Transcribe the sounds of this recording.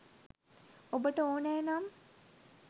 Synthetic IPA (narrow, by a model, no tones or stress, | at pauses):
obəʈəoːnɛːnam